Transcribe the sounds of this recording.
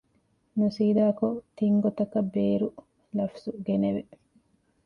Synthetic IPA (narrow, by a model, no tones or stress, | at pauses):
nusiːd̪aːkot̪iŋɡot̪ɐkɐbːeːɾu | lɐfsuɡeneʋe